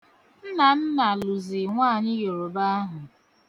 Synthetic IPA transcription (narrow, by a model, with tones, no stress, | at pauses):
n̩˦na˨n̩˦na˨lu˨zi˨ŋʷaː˦˨ɲɪ˦jo˨ɾo˨ba˦a˦ɦʊ˨